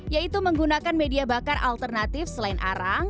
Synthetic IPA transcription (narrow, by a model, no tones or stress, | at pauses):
jait̪uməŋɡunakanmediabakarʔa̰lt̪ərnat̪ɪfsəlaɪnʔa̰ɾaŋ